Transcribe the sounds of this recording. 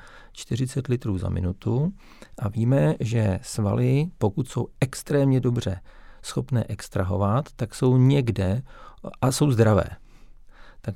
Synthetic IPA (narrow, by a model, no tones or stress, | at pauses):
t͡ʃt̪ɪr̝ɪt͡sɛt̪lɪt̪ɾuːza̰mɪ̰nut̪u | ʔaviːmɛʒɛsva̰lɪpo̞kut̪sowʔɛkst̪ɾɛːmɲɛdo̞br̝ɛsxo̞pnɛ̰ːʔɛkst̪ɾaɦo̞̰vat̪ːakso̞wɲɛɡdɛʔaso̞wzd̪ɾavɛ̰ː | t̪ak